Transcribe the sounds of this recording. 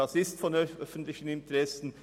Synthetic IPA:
ɑsɪstfɔnœfən̩tlɪçən̩ɪntəʁɛsən̩

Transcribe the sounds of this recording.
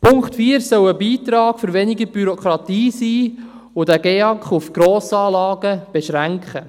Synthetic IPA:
pʰʊŋkχtfiːəɾsœwəbiːt̪ɾɑːɡ̥fʏɾʋɛnɪɡəb̥yɾɔkχɾɑt̪iːsiː | ʊdæɡeːɑkχufɡ̥ɾoːsɑːlɑːɡ̥əb̥ɛʃɾæŋkχə

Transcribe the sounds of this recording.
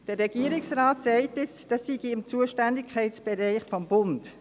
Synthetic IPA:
d̥ərɾɛɡ̥iəɾɪksraːtsɛɪtɪt͡sd̥ɑsːiɡiɪmt͡suəʃtændɪkʰχɛɪtt͡sb̥ɛɾɛɪχfɔmbʊnt

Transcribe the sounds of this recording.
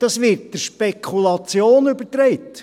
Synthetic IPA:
d̥ɑsʋɪːɾt̚d̥əʃpekʰχulɑt͡sjoːnʏbətɾɛɪt

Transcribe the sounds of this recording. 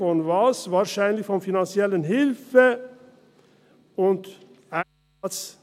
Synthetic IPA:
ɔnʋɑːsʋɑːɾʃæɪnlɪçfɔmfɪnɑnsɪɛlənɦɪlfə | ʊnt̪ | æ | t̪s

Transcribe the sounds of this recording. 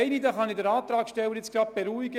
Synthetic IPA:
ɪnid̪ɑχɑnidɛɾɑːt̪ɾɑːkʃtɛwəɾjɪt͡sɡ̥ɾɑb̥eɾuiɡə

